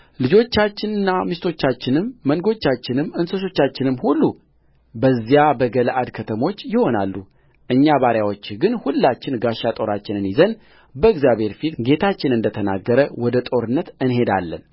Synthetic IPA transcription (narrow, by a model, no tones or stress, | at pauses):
lɨd͡ʒo̞t͡ʃːat͡ʃːɪnɨnːamist̪ʰo̞t͡ʃːat͡ʃːɪnɨmːəŋɡo̞t͡ʃːat͡ʃːɪnɨmːɨnsəʃ̬o̞t͡ʃːat͡ʃːɪnɨmhulːu | bəzːijabəɡələʔad̪kʰət̪ʰəmo̞t͡ʃːjɪho̞na̰lːu | ʔɨɲːaβaɾjawo̞t͡ʃːɡɨnhulːat͡ʃːɪnɡaʃat̪ʼo̞ɾat͡ʃːɪnɨnjizən | bəɨɡzjaβhe̞ɾfit̪ɡe̞t̪ʰat͡ʃːɪnɨnd̪ət̪ʰəna̰ɡːəɾəwɔd̪ət̪ʼo̞ɾɨnːət̪ɨnɦe̞d̪a̰lːə̰n